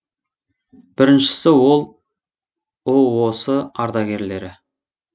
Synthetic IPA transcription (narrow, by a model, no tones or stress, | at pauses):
b̥ɪɾɪnʃɪ̥sɪwo̞lˠ | owo̞səɑɾd̪ɑɡʲe̞ɾle̞ɾɪ